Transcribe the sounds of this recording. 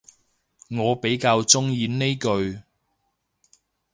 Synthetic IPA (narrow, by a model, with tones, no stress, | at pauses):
ŋɔː˨˧pe˨˥jkaː˧wt͡sʊ˥ŋjiː˨˧nne˥jkɵ˧ɥ